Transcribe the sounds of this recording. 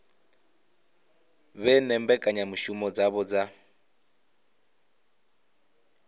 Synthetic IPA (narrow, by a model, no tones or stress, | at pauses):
βɛnɛmbɛkʼaɲamuʃumɔd͡zaβɔd͡za